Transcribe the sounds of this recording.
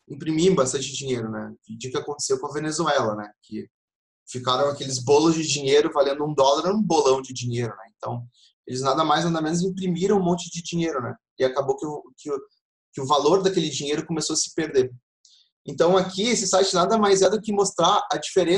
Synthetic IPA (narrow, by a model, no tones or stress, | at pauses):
ĩpɾimĩbas̬t̪ɐ̃nt͡ʃɪd͡ʒĩɲejɾʊnɛ̰id͡ʒiʊkɪakõnt̪e̥sewkõɐvenezuɛlɐnɛ̰kʰɪ | fikaɾɐ̃w̃akelɪzbolʊzd͡ʒɪd͡ʒiɲejɾʊvalẽnd̪ʊũd̪ɔlaɾũbolɐ̃w̃d͡ʒɪd͡ʒĩɲejɾʊnɛẽnt̪ɐ̃w̃ | elɪznad̪ɐmajznad̪ɐmẽnʊz̬ĩpɾimiɾɐ̃w̃ũmõnt͡ʃɪd͡ʒɪd͡ʒĩɲejɾʊnɛ | ɪakabowkɪʊkɪʊ | kɪʊvaloɾd̪akelɪd͡ʒĩɲejɾʊkomesoɐsɪ̥peɾd̪eɾ | ẽt̪ɐ̃w̃akiesɪsajt͡ʃɪnad̪ɐmajzɛd̪ʊkɪmost̪ɾaɐd͡ʒifeɾẽ